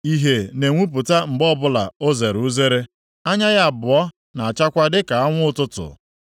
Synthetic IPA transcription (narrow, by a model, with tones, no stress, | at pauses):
i˦ɦe˨ne˨ŋʷu˦p̬ʊ˨ta˦ŋ͡m̩˨ɡ͡bɔ˦bʊ˦la̰˨o˦ze˨ɾu˦ze˦ɾe˦ | a˦ɲa˦ɣa˦a˨bʊ˨ɔ˦ | na˨a˨t͡ʃa˦kʷa˦dɪ˦ka˨a˦ŋʷʊ˦ʊ˦tʊ˦tʊ̰˨